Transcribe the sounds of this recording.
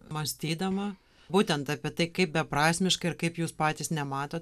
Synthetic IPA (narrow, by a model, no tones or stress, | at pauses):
mɐsʲt̪ʲiːd̪ɐmɐ | buːt̪ʲɛnt̪ɑpʲiɛt̪ɐɪkɐɪp̚bʲɛpɾɑːsʲmʲɪʃkɐɪɪɾkɐɪpjuːspɑːt̪ʲiːsnʲɛmɑːt̪oːt̪